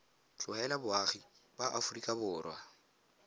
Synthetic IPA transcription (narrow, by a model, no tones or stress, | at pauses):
t͡ɬʼʊɛlabʊaχibaʔafʊrikʼabʊːrwa